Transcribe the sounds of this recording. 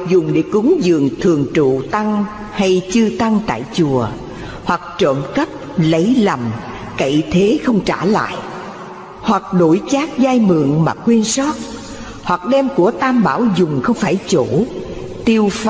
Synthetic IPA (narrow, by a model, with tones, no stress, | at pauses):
zʊ˨˩ŋ͡mɗe˧˩kʊ˨˦ŋzɨ̰˧˨əŋt̪ʰɨ˨˩əŋt͡ɕṵ˧˨t̪a˧ŋ | ha˧jt͡ɕɨ˧t̪a˧ŋt̪a̰ː˧˨jt͡ɕu˨˩ə | hwa˨˩k̚t͡ɕə̰˧˨mkə˦˥p̚lə˨˦jlə˨˩m | kə̰˧˨jt̪ʰe˨˦xə˧wŋ͡mt͡ɕaː˧˩la̰ː˧˨jʔ | hwa˨˩k̚ɗo˧˩jt͡ɕaː˦˥k̚zaː˧jmɨ̰˧˨əŋmaː˨˩kwi˧ənsɔ˦˥t̚ | hwa˨˩k̚ɗɛ˧mku˧˩ət̪aː˧mɓaː˧˩wzʊ˨˩ŋ͡mxə˧wŋ͡mfaː˧˩jt͡ɕo˧˩ | t̪i˧wf